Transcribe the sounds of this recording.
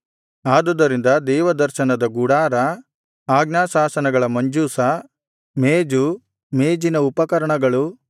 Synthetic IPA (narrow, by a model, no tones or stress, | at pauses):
aːd̪ud̪ːɐɾind̪ɐd̪ɛːʋɐd̪ɐɾʃɐnɐd̪ɐɡuɽaːɾɐ | aːɡnaːsaːsɐnɐɡɐɭɐmɐɲd͡ʒuːsɐ | meːd͡ʒu | meːd͡ʒinɐupɐkɐɾɐɳɐɡɐɭu